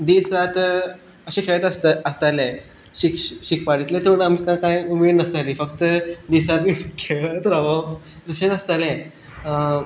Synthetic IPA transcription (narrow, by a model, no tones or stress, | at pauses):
d̪isɾat̪ | əɕẽkeɭət̪əsəst̪ale | ɕikɕik̚paɽit̪lẽt̪ʰoɽamikakãjumed̪nəst̪alifəkt̪əd̪isɾat̪ʋikʰeɭət̪ɾaʋə | ɾəɕẽt̪əst̪alɛ̃